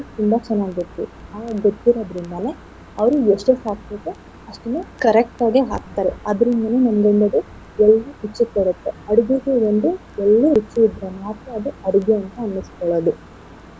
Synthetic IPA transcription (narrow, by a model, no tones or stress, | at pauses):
t̪umbɐt͡ʃɛnːaːɡit̪ːuaːɡɐɡot̪ːiɾoːd̪ɐɾind̪ɐneː | ɐʋɐɾueʂʈesaːkt̪ek̪u | ɐʂʈɐnːukɐɾek̚ʈaːɡeɦa̰ːk̚t̪aːɾeɐd̪ɐɾind̪ɐnenɐmɐɡeɳɖɐd̪u | ɛlːuɦit͡ʃːikɔɽɐt̪ːeɐɽuɡiɡeond̪u | ɛlːuit͡ʃːiid̪ɾɐmaːt̪ɐɐd̪uɐɽuɡeɐnt̪ɐːnːiskɔɭod̪u